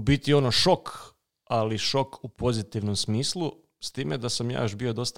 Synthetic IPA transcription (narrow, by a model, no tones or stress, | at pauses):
bit̪io̞noʃo̞k | aliʃo̞kupo̞zit̪iʋnomsmiːslˠu | st̪iːmed̪asamja̰ːjoʃbio̞d̪o̞st̪a